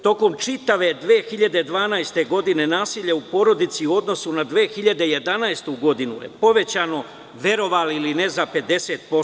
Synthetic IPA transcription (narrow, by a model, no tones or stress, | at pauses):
t̪o̞ko̞mt͡ʃit̪aʋe̞d̪ʋeːxiʎad̪e̞d̪ʋaːnajst̪e̞ɡo̞d̪ine̞naːsiʎeupo̞ɾo̞d̪it̪sio̞d̪no̞sunad̪ʋeːxiʎad̪e̞je̞d̪anaest̪uɡo̞d̪inṵjḛpo̞ʋe̞t͡ɕaːno̞ | ʋje̞ɾo̞ʋaːlilinezape̞d̪e̞se̞ːt̪̚po